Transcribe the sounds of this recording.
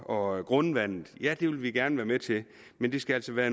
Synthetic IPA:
ɒ̽ɡ̥ʁɔnʋæn̰ð̩ˠjæd̥e̝ʋelʋiɡ̥æɐnəʋæːɐmet͡sʰe̝ | mend̥e̝sɡ̥ææl̰sɒʋæːɐn

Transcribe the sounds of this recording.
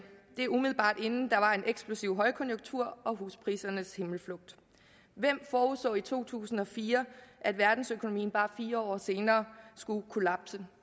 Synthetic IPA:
d̥e̝æumiðˠl̩ˠbɑ̰̈ːd̥e̝nn̩d̥ɑ̈ʋɑ̈e̝nʔeɡ̥sb̥lusiʊɦɒ̽ɪkʰɔ̽njoɡ̥t͡sʰuɐ̰ɒ̽ɦuːspʰʁḭːsɐnəshe̝ml̩flɔ̽ɡ̥̚d̥ | ʋem̰fɒːusd̥ɔ̰ːit͡sʰo̝̰ːt͡sʰṵːsn̩ɒ̽fiːɐʔæd̥ʋæɐd̥n̩søkʰono̝mḭːn̩b̥ɑ̈ːfiːɐɒ̰ːse̝ːnɐːsɡ̥ukʰo̝læb̥sə

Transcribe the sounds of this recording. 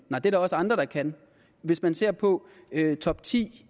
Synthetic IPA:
nɑɪdeɐɾɑ̈ɒ̽səɑ̈nd̥ʁɐɾ̥ɑ̈kʰæn | ʋe̝smænse̝ɐ̰pʰɒ̽ | øt͡sʰɒ̽b̥̚t͡sʰḭː

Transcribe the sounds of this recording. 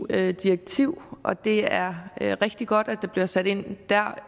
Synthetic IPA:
d̥ieɡ̥̚t͡sʰiʊ̰ʔɒ̽d̥e̝æɐʁɛɡ̥̚d̥iɡ̥ɒ̽d̥æd̥ɑ̈b̥liɐsæɾ̥e̝n̰d̥æɐ̰

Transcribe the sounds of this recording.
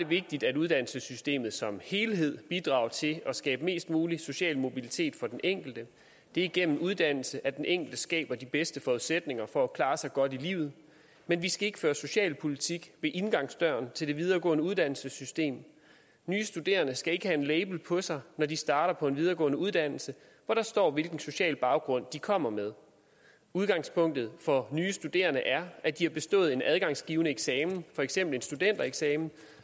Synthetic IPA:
ɐd̥e̝ʋe̝ɡ̥̚d̥id̥æduð̞ˠd̥æn̰l̩səsysd̥e̝̰ːmð̩ˠsɒ̽mhe̝ːlɦe̝ð̞̰ˠb̥id̥ʁɑ̈ːʊt͡sʰe̝ɒ̽sɡ̥ɛ̰ːb̥əme̝̰ːsd̥muːliso̝ɕɛ̰ːlmo̝bilit͡sʰe̝̰ːd̥fɒ̽d̥enʔeŋ̰ɡ̥l̩d̥ə | d̥e̝æiɡ̥en̰m̩uð̞ˠd̥æn̰l̩səʔæd̥enʔeŋ̰ɡ̥l̩d̥əsɡ̥ɛ̰ːb̥ɐd̥ib̥esd̥əfɒuðˠsed̥ne̝ŋɐfɒ̽ːkʰlɑ̈ːsɑ̈ɪɡ̥ɒ̽d̥ilḭːʊð̞̩ˠ | menʋisɡ̥æe̝ɡ̥əføːɐso̝ɕɛ̰ːlpʰo̝lit͡sʰiɡ̥ʋe̝ʔe̝nɡ̥ɑ̈ŋ̰sd̥ɶ̰ɐnt͡sʰe̝ld̥e̝ʋið̞ˠɐɡ̥ɔ̰̽ːnəuðˠd̥æn̰l̩səsysd̥e̝̰ːm | nyːsd̥ud̥e̝̰ːɐnəsɡ̥æe̝ɡ̥əhæe̝nleɪb̥l̩pʰɒ̽sɑ̈ɪnɒdisd̥ɑ̈ːɾ̥ɐpʰɒ̽e̝nʋið̞ˠɐːɡɔ̰̽ːnəuðˠd̥æn̰l̩sə | ʋɒɾ̥ɑ̈sd̥ɒ̰ːʋe̝lɡ̥n̩so̝ɕɛ̰ːlb̥ɑ̈ʊɡ̥ʁɔ̽n̰d̥ikʰɒ̽m̰ɐmeð̞ˠ | uð̞ˠɡ̥ɑ̈ŋspʰɔ̽ŋ̰d̥ð̞̩ˠfɒ̽nyːsd̥ud̥e̝̰ːɐnəʔæɐʔæd̥ihɑ̈b̥e̝sd̥ɔ̰̽ːð̩ˠe̝næð̞ˠɡ̥ɑ̈ŋsɡ̥iːʊnəeɡ̥sɛːmn̩fɒ̽eɡ̥sem̰b̥l̩e̝nsd̥ud̥en̰d̥ɐeɡ̥sɛːmn̩

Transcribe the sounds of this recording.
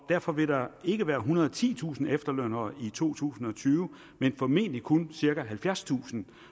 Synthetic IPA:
d̥æɐ̰fɒ̽ʋe̝ɾ̥ɑ̈e̝ɡ̥əʋæːɐɦunɐðˠt͡sʰḭːt͡sʰṵːsn̩efd̥ɐløn̰ɐːit͡sʰo̝̰ːt͡sʰṵːsn̩ɒ̽t͡sʰyːʊə | menfɒ̽me̝̰ːndlikʰonsiɐɡ̥æɦælfjæɐst͡sʰṵːsn̩

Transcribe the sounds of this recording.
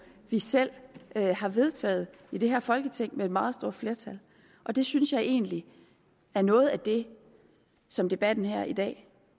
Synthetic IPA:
ʋisel̰øhɑ̈ʋe̝ð̞ˠt͡sʰɛ̰ːð̩ˠ | id̥e̝ɦæɐfɒ̽lɡ̥ət͡sʰeŋ̰meed̥mɑ̈ːð̞̩ˠsd̥o̝ɐ̰̥fle̝ːɐt͡sʰæl | ʔɒ̽d̥e̝synsjɑ̈ɪʔe̝̰ːnli | æɐnɔ̽ːð̞̩ˠæd̥e̝ | sɒ̽md̥e̝b̥æd̥n̩ɦæɐ̰id̥ɛ̰ː

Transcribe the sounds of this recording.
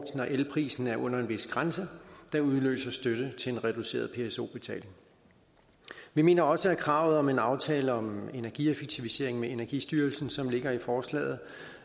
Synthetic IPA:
d̥n̩ɒʔelpʰʁḭːsn̩æɐʔɔ̽n̰ɐe̝nʋe̝sɡ̥ʁansəd̥ɑ̈uðˠlø̰ːsɐsd̥øɾ̥ət͡sʰe̝lenʁɛd̥use̝̰ːɐðˠpʰe̝eso̝̰ːb̥e̝t͡sʰɛ̰ːle̝ŋ | ʋime̝̰ːnɐɒ̽səæɐkʰʁɑ̈ʊ̰ð̩ˠɒ̽me̝nɑ̈ʊt͡sʰɛːləɒ̽me̝næɐɡ̥ḭefeɡ̥̚t͡sʰiʋise̝̰ɐ̰e̝ŋmeenæɐɡ̥isd̥yːɐlsn̩sɒ̽mle̝ɡ̥ɐifɒːslɛ̰ːð̩ˠ

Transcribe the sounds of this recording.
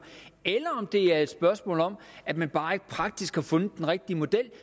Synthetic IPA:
elɐɒ̽md̥e̝æɐe̝d̥sb̥ɶɐsmɔ̰ːlɒ̽m̰ | æmænb̥ɑ̈ːeɡ̥̚pʰʁɑ̈ɡ̥̚d̥isɡ̥hɑfɔ̽nəd̥enʁeɡ̥̚d̥iəmo̝d̥el̰

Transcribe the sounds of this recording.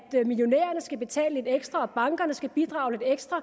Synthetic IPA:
d̥miljo̝nḛːɐnəsɡ̥æb̥e̝t͡sʰɛ̰ːləe̝d̥eɡ̥sd̥ʁɐɒ̽b̥ɑ̈ŋɡ̥ɐnəsɡ̥æb̥id̥ʁɑ̈ʊe̝d̥eɡ̥sd̥ʁɐ

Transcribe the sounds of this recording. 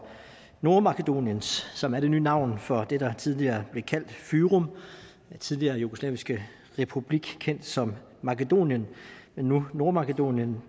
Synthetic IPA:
no̝ɐmɑ̈kʰed̥o̝̰ːnjənsːɒ̽mæɐɾ̥e̝nyːnɑ̈ʊ̰nfɒ̽d̥e̝d̥ɑ̈t͡sʰið̞ˠliɐːb̥le̝kʰæl̰d̥fyːʁɔm | t͡sʰið̞ˠliɐːjuɡ̥oslɛ̰ːʋisɡ̥ə | ʁɛpʰub̥liɡ̥kʰen̰d̥sɒ̽mː | ɑ̈ked̥o̝̰ːnjənmenːuno̝ɐmɑ̈kəd̥o̝̰ːnjən

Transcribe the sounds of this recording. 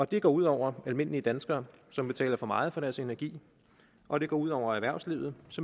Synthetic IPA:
ɒ̽d̥e̝ɡ̥ɒ̰ːuð̰ˠɒʊ̰ɐælme̝n̰liəd̥ænsɡ̥ɐːsɒ̽mb̥e̝t͡sʰɛ̰ːlɐfɒ̽mɑ̈ːð̩ˠfɒ̽ɾ̥æɐse̝næɐɡ̥ḭː | ʔɒ̽ɾ̥e̝ɡ̥ɒ̰ːuð̰ˠɒʊ̰ɐæɐʋæɐ̰sliʊð̞̩ˠsɒ

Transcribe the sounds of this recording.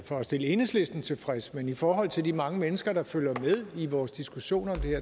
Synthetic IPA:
fɒ̽ɒsd̥e̝ləe̝nəsle̝sd̥n̩t͡sʰe̝lfʁɛsə̥menifɒːɦɒ̽l̰t͡sʰe̝ld̥imɑ̈ŋəmenəsɡ̥ɐɾ̥ɑ̈føl̰jɐmeð̞ˠiʋɒːsd̥isɡ̥uɕo̝̰ːnɒ̽md̥e̝heɐ̰

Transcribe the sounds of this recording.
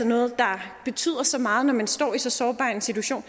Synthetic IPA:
ɒnɔ̽ːð̩ˠd̥ɑ̈b̥e̝t͡sʰy̰ð̞̰ˠɐsɒ̽mɑ̈ːð̩ˠnɒmænsd̥ɒ̰ːisɒ̽sɒːb̥ɑ̈ːe̝nsit͡sʰuæɕo̝̰ːn

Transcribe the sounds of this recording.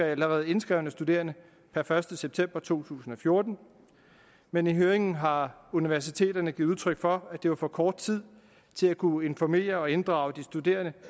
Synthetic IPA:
æləʁɛːð̞̩ˠe̝nsɡ̥ʁɛʊnəsd̥ude̝̰ːɐnə | pʰæɐfɶɐsd̥əseb̥̚t͡sʰem̰b̥ɐt͡sʰo̝̰ːt͡sʰṵːsn̩ɒ̽fjo̝ːɐd̥n̩ | meniɦøːɐeŋn̩ɦɑ̈uniʋæɐs̬it͡sʰe̝̰ːd̥ɐnəɡiðˠuðˠt͡sʰʁœɡ̥fɒ̽æd̥e̝ʋɑ̈fɒ̽kʰɒːd̥t͡sʰið̰ˠ | t͡sʰe̝lækʰue̝nfɒme̝̰ːɐɒ̽e̝nd̥ʁɑ̈ːʊd̥isd̥ud̥e̝̰ːɐnə

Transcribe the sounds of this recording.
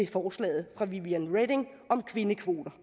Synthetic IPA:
e̝fɒːslɛ̰ːð̞̩ˠfʁɑ̈ʋiʋiænʁed̥e̝ŋ | ʔɒ̽mkʰʋe̝nəkʰʋo̝ːd̥ɐ

